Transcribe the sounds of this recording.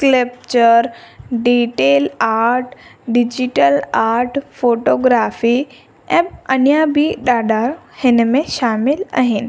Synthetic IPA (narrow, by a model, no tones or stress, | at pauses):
klep̚t͡ʃəɾɖiːʈeːlaːɾʈɖɪd͡ʑiʈəlaːɾʈfoːʈoːɡɾaːfi | ɛ̃ːɐnjabʱiɗaːɖa | hɪnəmẽʃaːmɪla̰ɦɪnɪ̆